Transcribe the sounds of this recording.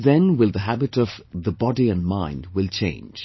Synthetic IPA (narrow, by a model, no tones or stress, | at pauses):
ðɛ̃nwɪlˠðəɦæbɨtʌv̥ðəbɑdiɨ̃nmãɪ̃nd̚wɪlˠt͡ʃʰḛ̃ɪ̃nd͡ʒ̥